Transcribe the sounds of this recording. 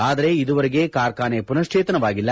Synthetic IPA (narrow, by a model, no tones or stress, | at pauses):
aːd̪ɐɾe̞id̪uʋɐɾeɡekaːɾkaːnepunɐʃt͡ʃeːt̪ɐnɐʋaːɡilːɐ